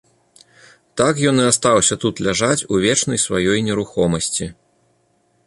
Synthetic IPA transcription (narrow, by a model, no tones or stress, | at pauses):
t̪akjɔnɨast̪awsʲɐt̪ut̪lʲaʐat͡sʲuvʲɛt͡ʂnɐjsvajɔjnʲɛɾuxɔmɐsʲt͡sʲi